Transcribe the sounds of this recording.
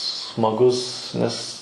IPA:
smɐˈɡʊs nʲɛs

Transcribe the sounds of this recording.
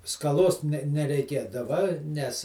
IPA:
skɐˈlˠoːs nʲɛ nʲɛrʲɛɪˈkʲeːdɐʋɐ ˈnʲɛs

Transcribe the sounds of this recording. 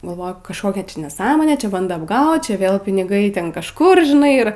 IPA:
ɡɐlˠˈʋoːjʊ kɐʃˈkoːkʲɛ nʲɛˈsɑːmoːnʲeː ˈt͡ʃʲɛ ˈbɐndoː ɐbˈɡɐʊt ˈt͡ʃʲɛ ˈʋʲeːlˠ pʲɪnʲɪˈɡɐɪ ˈtʲɛn kɐʃˈkʊr ʒʲɪˈnɐɪ ˈɪr

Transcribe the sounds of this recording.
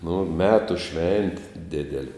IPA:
nʊ ˈmʲæːtʊ ˈʃʲʋʲɛnʲtʲɪ ˈdʲɪdʲɛlʲɪ

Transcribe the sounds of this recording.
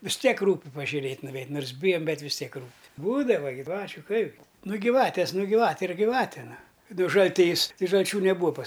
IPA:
ʋʲɪs ˈtʲiɛk ˈruːpʲɪ pɐʒʲʊˈrʲeːtʲ nʊʋʲɛɪtʲ ˈnoːrs ˈbʲɪjɛm ˈbʲɛt ʋʲɪs ˈtʲiɛk ˈruːpʲɪ ˈbuːdɐʋɐ ɡʲɪˈʋɑːt͡ʃʲʊ ˈkɐɪbʲɡʲɪ nʊ ɡʲɪˈʋɑːtʲeːs ˈnʊ ɡʲɪˈʋɑːtʲeː ɪr ɡʲɪˈʋɑːtʲeː ˈnʊ ˈnʊ ʒɐlʲˈtʲiːs tɐɪ ʒɐlʲˈt͡ʃʲuː nʲɛˈbuːɐ pɐs

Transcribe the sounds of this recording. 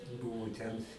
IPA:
ˈbʊʋʊ tʲɛn

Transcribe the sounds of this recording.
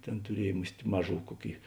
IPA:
ˈtʲeːn tʊˈrʲiɛj ˈmʊsʲtʲ ˈmɑːˌʒuː ˈkuɔˌkʲeːɪ

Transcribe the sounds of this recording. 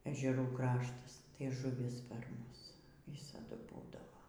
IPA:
ɛʒʲɛˈruː ˈkrɑːʃtɐs tɐɪ ʒʊˈʋʲɪs pʲɛr ˈmʊs ˈʋʲɪsɐdʊ ˈbuːdɐʋoː

